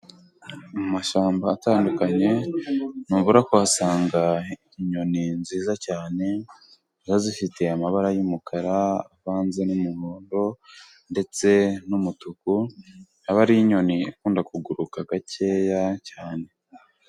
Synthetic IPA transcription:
amaʃaːmbaːtaːndukaɲe̞nuβuɾakuasaːŋɡaiiɲo̞ninziːzacaːne̞ | zazifite̞amaβaɾajumukʰaɾaːβaːnze̞numuhoːndo̞ | nde̞t͡se̞numutukunaβaɾiiɲo̞niikuːndakuɡuɾukaɡace̞ːjacaːne̞

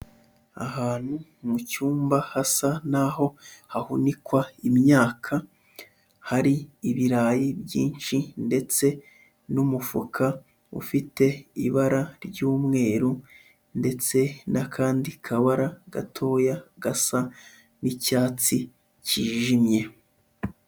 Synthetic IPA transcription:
a̰haːn̥humucuːmbahasanaho̞hahunikwaimɲaːkʰa | haɾiːβiɾaːjibjḭːnʃinde̞t͡se̞ | numufukʰa | ṵfite̞ḭβaɾaɾɟuːmŋe̞ːɾu | nde̞t͡se̞nʔakʰaːndikʰaβaɾaɡ̥atʰo̞ːjaɡasa | nicaːt͡si | ciːʒimɲe̞

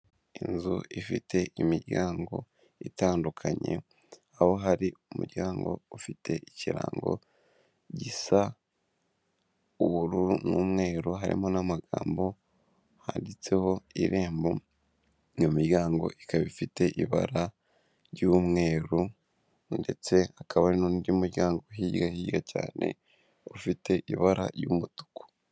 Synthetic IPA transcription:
inzṵifite̞ʔimiɾɟaːŋɡo̞̰ | itaːndukʰaɲe̞̰ | aho̞ɦaɾiumuɾɟaːŋɡo̞̰ufitʰe̞ʔiciɾa̰ːŋɡo̞̰ | ɟisa | uβuɾuɾunuːmŋe̞ːɾuɦaɾḭmo̞namaɡaːmbo̞ | ha̰ːndit͡se̞ho̞iɾe̞ːmbo | jomiɾjaːŋɡo̞̰ʔikaβifite̞ʔiβa̰ɾa | ɾjumŋe̞ːɾu | nde̞t͡se̞akʰaβaɾinuːndiumuɾɟaːŋɡo̞ɦiːɟɡahiːɟɡaca̰ːne̞̰ | ufite̞ʔiβaɾa̰ɾjuːmutu̥kʰu̥

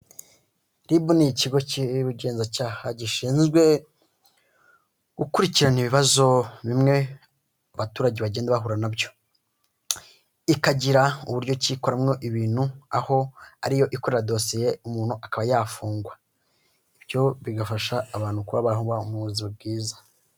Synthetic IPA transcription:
ɾibuniciɡo̞ciβuɟe̞ːnzacaːhaɟiʃiːnzɡwe̞ | ɡ̥ukuɾiciɾaniβiβazo̞βimŋe̞ | aβatuːɾaɟeβaɟeːndaβaɦuɾanabjo̞ | ikaɟiɾauβuɾɟo̞ciko̞ɾamŋo̞ʔiβiːn̥hua̰ho̞aɾijo̞ʔiko̞ɾe̞ɾado̞sije̞umuːn̥uʔakaβajaːfuːŋɡwa | ibjo̞βiɡafaʃaːβaːn̥hukuβaβaɾhuβaumuziub̚ɡiːza

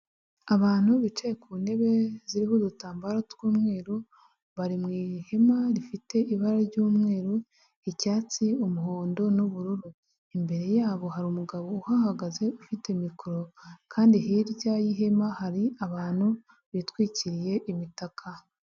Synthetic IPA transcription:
aβaːn̥huβit͡ʃejekuːnde̞βe̞ziɾihudutaːmbaɾatɡuːmŋe̞ːɾo | βaɾimŋiːhe̞maɾifite̞iβaɾaɾɟuːmŋe̞ːɾo | icaːt͡siumuɦoːndo̞nuβuɾuɾu | imbe̞ɾe̞jaːβo̞haɾiumuɡaβo̞uhahaɡaze̞ufite̞mikuɾo̞kʰaːndiɦiɾɟajiɦe̞mahaɾiaβaːn̥hu | βitwiːciɾije̞ʔimitakʰa

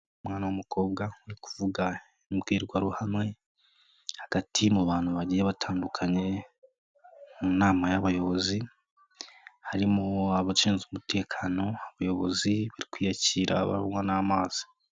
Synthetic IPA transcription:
umŋaːnawamuko̞ːbɡauɾiku̥vuɡa | ibɡiːɾɡwaɾuhamŋe̞ | haɡ̥atʰimuβaːn̥huβaɟijeβatʰaːndukʰaɲe̞ | munaːmajaβajo̞βo̞zi | haɾimoaβat͡ʃiːnzumute̞ːkʰaːno̞aβajo̞βo̰ziβaɾikwiːjaciːɾa̰βa̰umwanaːmaːz̥i̥

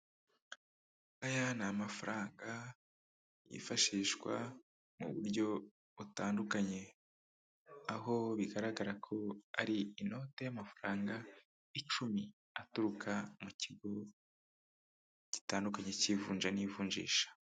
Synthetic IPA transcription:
ajanamafaɾaːŋɡa | jḭfaʃiːʃkwa̰ | mṵβṵɾɟo̞ | βutaːndukaɲe̞ | aɦo̞βiɡaɾaɡaɾakʰo̞aɾiino̞te̞jamafaɾaːŋɡa | it͡ʃumi | atuɾukʰamuciɡo̞ | ci̥taːndukaɲe̞civuːnd͡ʒanivuːɲd͡ʒḭːʃḁ

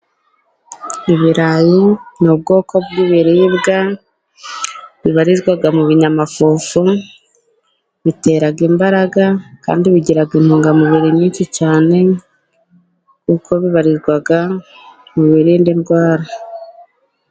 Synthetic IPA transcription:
iβiɾajinub̚ɡo̞ːkʰo̞b̚ɡiβiɾiβɡa | βiβaɾizɡwaɡamuβiɲamafuːfu | βite̞ɾaɡimbaɾaɡaka̰ːndiβiɟiɾaɡin̥huːŋɡamuβiɾimɲiːnʃit͡ʃaːne̞ | kukʰo̞βiβaɾizɡwaɡa | muβiɾiːndinɡwaːɾa

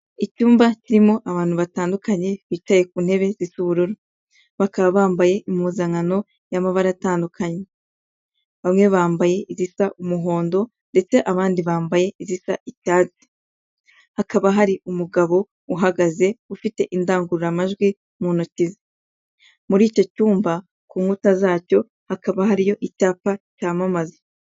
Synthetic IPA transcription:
icuːmbaciɾimo̞ʔaβaːn̥huβataːndukaɲe̞βiːt͡ʃaje̞k̚uːn̥he̞βe̞zisuβuɾuɾo | βakaβaβaːmbaje̞ʔimuzaŋano̞ | jamaβaɾataːndukʰaɲe | βamŋe̞βaːmbaje̞ʔizisaʔumuɦo̞ːndo̞ | nde̞t͡se̞ʔaβaːndiβaːmbaje̞izisaʔicaːzi̥ | hakaβaɦaɾiumuɡaβo̞ | uɦaɡaze̞ufite̞ʔindaːŋɡuɾuɾamaʒɡwi | munucize | muɾiːco̞cuːmba | kuːŋɡutazaːco̞ | hakaβaɦaɾijo̞ʔicaːpacaːmamaze

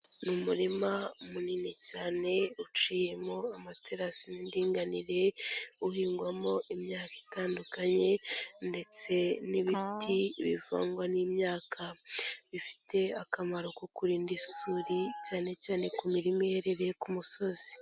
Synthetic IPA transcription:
numuɾimaomuninicaːne̞ɾut͡ʃiːje̞moamatʰeɾasinindiːŋɡaniɾe̞uhiːŋɡwamo̞ʔimɲaːkai̥taːndukaɲe̞nde̞t͡se̞niβitʰiβiva̰ːŋɡwaniːmɲaːkʰaβifi̥te̞akamaɾokukuɾiːndisuɾicaːne̞caːne̞kumiɾimijeɾeɾe̞kumuso̞zi

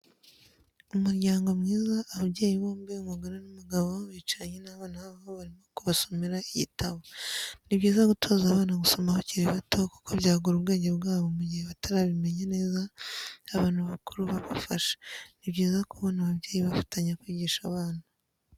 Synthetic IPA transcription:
umuɾɟaːŋɡo̞mŋiːzaʔːβaβɟeːjiβoːmbeŋaɡaɾanamuɡaβooβiːt͡ʃaɲenaβaːnahaβaβoβaɾimo̞kuβaso̞miɾaiɟitʰaβoniβɟiːzaɡutʰo̞ːzaːβaːnaɡuso̞mahociɾiβatʰo̞ku̥kʰoβjaːɡuɾuβɡe̞ːɲɟe̞βɡaːβomuɟiheβataɾaβime̞ɲene̞ːzaː | βaːnhuβakuɾuβaβafaʃḁniβɟiːzakuβo̞naβaβɟe̞ːjiβafḁtaɲakwiːɟiːʃaβaːna

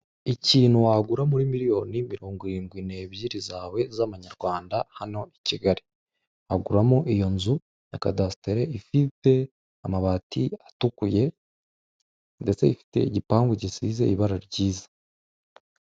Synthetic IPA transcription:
iciːn̥huwaɡuɾamuɾimiɾijo̞ːnimiɾo̞ːŋɡiɾiːŋɡwine̞ːβjiɾizaːwe̞zaβaɲaɾɡwaːndahano̞iciɡaɾi | aɡuɾamuʔijo̞nzu | jakadasi̥te̞ɾe̞ifite̞ | amaβatiatukuje̞ | nde̞t͡se̞ifi̥te̞̰iɟipaːŋɡuɟisiːze̞iβaɾaɾɟiːzḁ

